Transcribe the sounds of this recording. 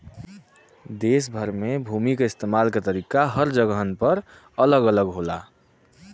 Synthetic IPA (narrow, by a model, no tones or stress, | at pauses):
d̪eːs̬bʱəɾmẽbʱuːmikeɪst̪eːmaːlket̪əɾiːkaɦəɾd͡ʒəɡəɦənpəɾ | ələɡələɡɦoːla̰ː